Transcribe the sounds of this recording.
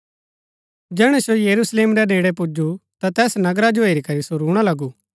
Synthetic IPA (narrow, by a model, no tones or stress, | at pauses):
d͡ʒɛːɽ̃ɛsojɐɾusleːmɾɛdeːɽep̬ʊd͡ʒut̪at̪ɛːsnɐɡɾad͡ʒoeːɾikɐɾisoɾuːɽ̃alɐɡuː